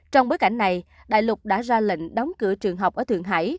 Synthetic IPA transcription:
t͡ɕɔ˧wŋ͡mɓoː˨˦jka˧˩jŋ̟na˨˩j | ɗa̰ː˧˨jlʊ˨˩k͡p̚ɗa̰ː˧˥zaː˧lḭ˧˨ŋ̟ɗɔ˨˦wŋ͡mkɨ̰˧˥ət͡ɕɨ˨˩əŋɦə˨˩wk͡pʔəː˧˩t̪ɨ̰˨˩əŋɦa̰ː˧˥˩j

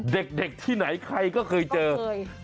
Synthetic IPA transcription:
ɗe˨˩k̚ɗe˨˩k̚t̪ʰiː˧˩na˨˩˦jkʰa˧jkɔː˧˥˩kʰɤː˧jt͡ɕəː˧

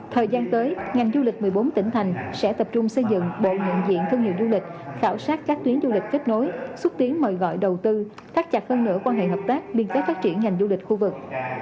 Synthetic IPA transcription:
t̪ʰəː˨˩jzaː˧nt̪əː˨˦jŋa˨˩jŋ̟zu˧lï˨˩k̟̚mɨ˨˩əjɓo˨˦nt̪ï˧˩ŋ̟t̪ʰa˨˩jŋ̟sɛ̰˧˥t̪ə˨˩p̚t͡ɕʊ˧ŋ͡msə˧jzɨ̰˧˨ŋɓo̰˧˨ɲḭ˧˨nzḭ˧˨ənt̪ʰɨ˧ŋhḭ˧˨əwzu˧lï˨˩k̟̚xaː˧˩wsaː˦˥t̚kaː˦˥k̚t̪wi˨˦ənzu˧li˨˩k̟̚ke˦˥t̚no˨˦jswə˦˥t̚t̪i˨˦ənməː˨˩jɣɔ̰˧˨jɗə˨˩wt̪ɨ˧ | t̪ʰaː˦˥k̚t͡ɕa˨˩p̚həː˧nːɨ̰˧˥əkwaː˧nɦḛ˧˨ɦəː˨˩p̚t̪aː˦˥k̚li˧˩ənkɛ˦˥t̚faː˦˥t̚t͡ɕi˧˩ənŋa˨˩jŋ̟zu˧lï˨˩k̟̚xu˧vɨ˨˩k̚

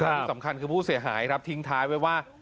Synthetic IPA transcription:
i˧˩sa˩˦mkʰa˧nkʰɯː˧pʰuː˥˩si˨˩˦ɐɦa̰ː˩˦jkʰɾa˦˥t̪ʰi˧˦˥ŋt̪ʰaː˦˥jwa˥˩jwaː˥˩

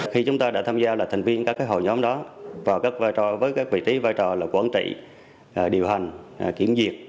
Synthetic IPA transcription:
xi˧t͡ɕʊ˨˦ŋ͡mt̪aː˧ɗa̰ː˧˥t̪ʰaː˧mzaː˧laː˨˩t̪ʰŋ̟vi˧ənkaː˦˥kaː˨˦jɦo̰˧˨jɲɔ˨˦mɗɔ˨˦vaː˨˩wkaː˦˥k̚vaː˧jt͡ɕɔ˨˩vəː˨˦jkaː˦˥k̚vḭ˧˨t͡ɕi˨˦vaː˧jt͡ɕɔ˨˩laː˨˩kwaː˧˩nt͡ɕḭ˧˨˩ | ɗi˨˩əwɦa˨˩ŋ̟˨˩kḭ˧˩əmzi˨˩ət̚

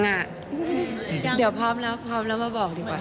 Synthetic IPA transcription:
ŋa˧˩ | di˩˦əwpʰɔː˦˥mlɛː˦˥wpʰɔː˦˥mlɛ˦˥wmaː˧bɔː˨˩k̚diː˨˩k̚waː˨˩

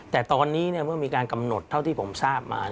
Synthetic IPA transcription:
t̪ɛː˨˩t̪ɔː˧nːiː˦˥ni˥˩ɐmɯ˥˩ɐmiː˧kaː˧nka˧mno˨˩t̪ʰːa˦˥˩wt̪ʰiː˥˩pʰo˩˦msaː˥˩p̚mʔa̰ː˧

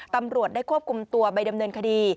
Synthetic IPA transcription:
t̪a˧mɾu˨˩ət̪̚daː˥˩jkʰu˥˩əp̚kʰu˧mt̪u˧ɐpa˧jda˧mnɤː˧nkʰa˧diː˧

